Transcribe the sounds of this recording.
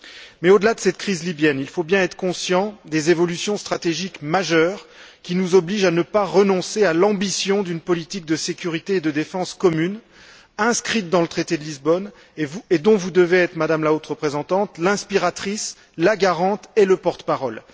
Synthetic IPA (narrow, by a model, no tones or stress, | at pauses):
mɛod̪əlad̪əsɛt̪̚kχizlibjɛnilfobjɛ̃ɛt̪χə̥kɔ̃sjɑ̃d̪ezevɔlysjɔ̃st̪χat̪eʒikmaʒœːʁkʲinuzɔbliʒanəpaʁənɔ̃sealɑ̃bisjɔ̃d̪ynpɔlit̪ik̚d̪əsekʲyʁit̪eːd̪əd̪efɑ̃skɔmyn | ɛ̃skχit̪̚d̪ɑ̃lət̪χet̪ed̪əlizbɔn | vued̪ɔ̃vud̪əveɛt̪χəmad̪amlaot̪ʁəpχezɑ̃t̪ɑ̃t̪lɛ̃spiʁat̪χis | laɡaʁɑ̃t̪eləpɔʁt̪ə̥paʁɔl